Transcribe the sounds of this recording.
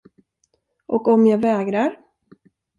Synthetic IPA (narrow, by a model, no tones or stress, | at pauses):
ʔɔkɔmjaːɡvɛːɡɾaɾ